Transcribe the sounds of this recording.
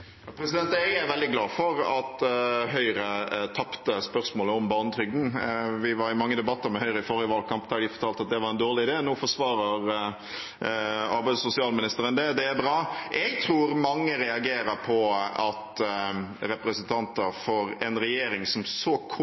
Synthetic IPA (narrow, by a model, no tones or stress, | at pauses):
ɑpʰɾɛsɪd̪ɛnt̪æɡæɾʋɛld̪ɪɡlɑːfɔɾɑt̪ɦœʏɾət̪ʰɑpt̪əspœʁsmoːləɔmbɑːnət̪ʰɾʏɡn̩ʋɪʋɑɾɪmɑŋːəd̪ɛbɑt̪ːəɾmɛhœʏɾəɪfɔɾjəʋɑːlkʰɑmpd̪æd̪ɪfɔɾt̪ʰɑːlt̪ɑt̪̚d̪ɛʋɑɾɛnd̪oːʁɭɪɪd̪eːnoːfɔʂʋɑːɾəɾ | ɑɾbæɪd̪sʊsɪɑːlmɪnɪst̪əɾənd̪ɛd̪ɛːbɾɑːʔɛɡt̪ʰɾuːɾmɑŋːəɾɛɑɡeːɾəɾpʰɔɑt̪ | ɾɛpɾəsɛnt̪ʰɑnt̪əɾfɔɾɛnɾɛjeːɾɪŋsɔmsɔkʰ